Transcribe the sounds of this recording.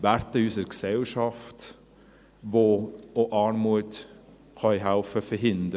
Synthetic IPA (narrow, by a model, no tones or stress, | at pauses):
ʋæɾtəysəɾksɛlʃɑft | ʋooʔɑːɾmuət | χœɪɦæʊfəfəɾɦɪnd̪ə